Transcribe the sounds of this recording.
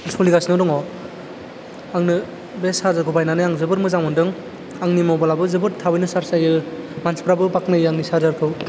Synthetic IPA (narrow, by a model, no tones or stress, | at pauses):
lskʰuliɡasnɯdɔŋɔ | aŋnɯ | besaɾzaɾkʰɔbajnanɯjaŋzɯbɯɾmɯzaŋɯndɯŋ | aŋnimɔbalabɯzɯbɯɾtʰabɯjnɯsaɾsajɯmanspʰɾabɯbaknɯjɯaŋnisaɾzaɾkʰɯw